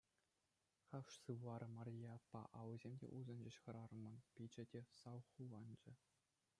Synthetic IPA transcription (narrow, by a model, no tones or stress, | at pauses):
χɑfʂsɯʋɑɾɤmɑrʲijɑɑpːɑ̰ʔɑwɤzʲemʲdʲḛʔuzɤ̆nd͡ʑĕɕχɤ̆ɾɑrɤ̆mɤ̆npʲid͡ʑɘ̆dʲesɑwχulɑnd͡ʑɘ̆